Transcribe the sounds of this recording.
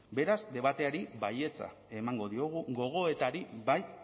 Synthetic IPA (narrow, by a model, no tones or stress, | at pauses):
be̞ɾazd̪e̞βat̪e̞aɾiβaje̞t͡sa̰ | e̞maŋɡo̞ðio̞ɣ̞uɣo̞ɣ̞o̞e̞t̪aɾiβaj